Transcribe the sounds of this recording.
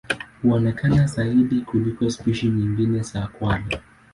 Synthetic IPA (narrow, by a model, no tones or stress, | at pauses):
huɔnɛkanazaiɗikulikɔspiʃiɲiŋɡinɛsaːkwali